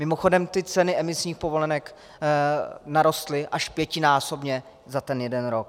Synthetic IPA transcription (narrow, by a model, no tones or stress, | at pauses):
mɪmoxo̞dɛmt̪ɪt͡sɛnɪɛmɪsɲiːxpovo̞lɛnɛk | naɾo̞st̪lɪʔaʃpjɛcɪnaːso̞bɲɛ | zat̪ɛnjɛdɛnɾok̚